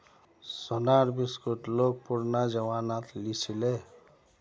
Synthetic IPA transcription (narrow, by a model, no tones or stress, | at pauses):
sɔnaɾbiskuʈlok̚puɾnad͡ʒʌwanat̪lisʰile